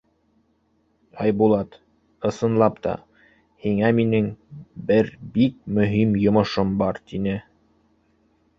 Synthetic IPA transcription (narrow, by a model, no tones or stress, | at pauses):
ɑjbulˠɑt̪ | ɤ̆sɤ̆nlˠɑpt̪ɑ̰ | hiŋæminɘŋbɘɾbik̚mɵ̆ɦimjŏmŏʃombɑɾt̪inɘ